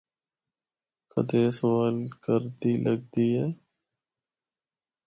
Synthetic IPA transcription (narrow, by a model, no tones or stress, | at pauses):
kʰə̰d̪eːsəwaːlkəɾd̪iləɡ̚d̪iːɦɛː